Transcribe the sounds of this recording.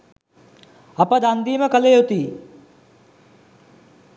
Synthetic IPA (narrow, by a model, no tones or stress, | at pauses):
apəd̪and̪iːməkəlejot̪iː